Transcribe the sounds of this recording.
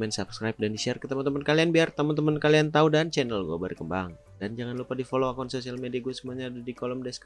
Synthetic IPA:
mɛnsabskɾajp̚dandisiarkət̪əmant̪əmənkalianbiart̪əmənt̪̬əmənkaliant̪audant͡ʃɛnəlɡuabərkəmbaŋ | dand͡ʒaŋanlupadifoloakansosialmediaɡusəmuaɲadudikoləmdɛsk

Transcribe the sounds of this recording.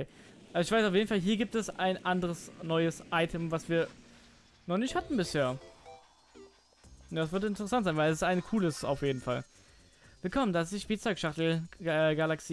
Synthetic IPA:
eːʔalzoʊɪçfvaɪsaʊfjeːdn̩falɦiːɐɡiːp̚tɛsaɪnʔandəʁəsnɔʏəsʔaɪtʰɛmvasv̥iːɐ | nɔχnɪçthatn̩bɪsheːɐ | dasv̥ɪɐtɪntəʁəsantz̥aɪnvaɪlɛs̬ɪ̥staɪnkʰuːləsa̰ʊfjeːdn̩fal | v̥ɪlkʰɔməndasdɪʃb̥iːt͡sɔʏkʃaχtl̩ɛːɡalaksiː

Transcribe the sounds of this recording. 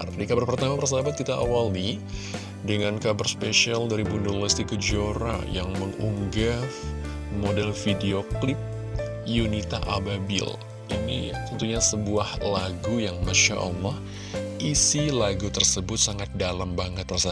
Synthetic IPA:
rdikabərpərt̪amapərs̬aabat̪̚kit̪aʔawali | dəŋankabərspeʃialdaɾibundolɛst̪ikəd͡ʒoɾa̰jaŋməŋṵŋɡaf | modɛlfideoklɪp̚ | junit̪a̰ʔababɪ̰l | inḭt̪ənt̪uɲasəbuahlaɡujaŋmaʃa̰ʔɑ̰lːɑh | isilaɡut̪ərsəbʊt̪̚saŋat̪̚dalambaŋət̪ːərsa

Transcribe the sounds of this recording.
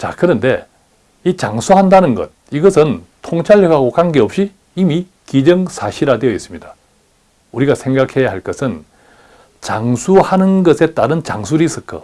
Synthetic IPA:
t͡ɕa̰kɯɾʌnde̞ | it͡ɕaŋsʰuɦandanɯnɡʌ̰t̚iɡʌsʰɯntʰoŋt͡ɕʰaɭːʌɡaɡokaŋɡe̞ʌp̚ɕ͈iː | mi | kid͡ʑʌŋsʰaɕʰiɾadweʌis͈ɯmɲida | uɾiɡasʰe̞ŋɡakʰe̞jaɦaɭk͈ʌsʰɯn | t͡ɕaŋsʰuhanɯnɡʌsʰe̞t͈aɾɯnt͡ɕa̰ŋs̬ʰuɾisʰɯkʰʌ̰

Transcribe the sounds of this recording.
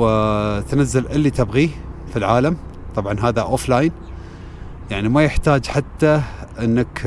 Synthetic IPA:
t̪nazːalʔɪlːit̪ɪbɣifilʕaːlamt̪ˤɑbʕɑnɦaːðaʔoflaːjn | jaʕnimajɪħt̪aːd͡ʒħat̪ːaʔɪnːak

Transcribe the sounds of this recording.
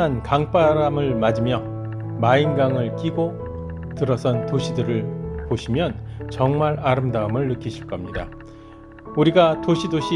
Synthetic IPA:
ankaŋp͈aɾamɯɭmad͡ʑimjʌ | mainɡaŋɯɭk͈iɡo | tɯɾʌsʰʌntoɕʰidɯɾɯɭpoɕʰimjʌnt͡ɕʌŋmaɾaɾɯmdaɯmɯɭːɯkʰiɕʰiɭk͈ʌmɲida̰ | uɾiɡatoɕʰidoɕʰi

